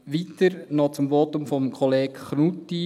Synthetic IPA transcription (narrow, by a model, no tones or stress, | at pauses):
ʋit̪əɾnɔt͡sʊmʋɔtʊmfɔmkʰoleːkχnutːi